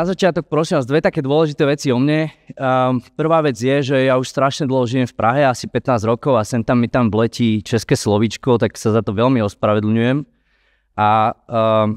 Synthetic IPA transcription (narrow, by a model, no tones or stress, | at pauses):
nazat͡ʃɪat̪ɔk̚pɾɔsiːmazd̪ʋɛt̪akɛːd̪ʊɔlɛʒit̪ɛːʋɛt͡siɔmɲɛ | pr̩ʋaːʋɛd͡zjɛʒɛjauʃst̪ɾaʃɲɛd̪l̩ˠɦɔʒijɛmfpɾʔaɦɛasipɛt̪naːzɾɔkɔʊasɛnt̪amːit̪amʋlɛciːt͡ʃɛskɛːslɔʋit͡ʃkɔt̪aksazat̪ɔʋɛlmiɔspɾaʋɛd̪l̩ɲujɛm | ʔa